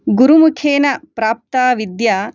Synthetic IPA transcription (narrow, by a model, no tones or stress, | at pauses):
ɡuɾumukʰeːnɐpɾaːp̚t̪aːʋid̪jaː